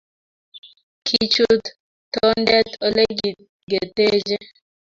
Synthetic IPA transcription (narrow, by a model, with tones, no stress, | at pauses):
kʰit͡ʃu˦t̪ | tɔ˦ndɛ˦t̪o˦le˦ɡi | ɡe˨t̪e˦d͡ʒɛ˦